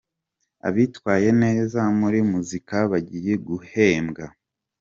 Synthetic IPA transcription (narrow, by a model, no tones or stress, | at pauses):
a̰βitwaːje̞ne̞ːzamuɾimuzikaβaɟiːje̞ɡuhe̞ːmɡa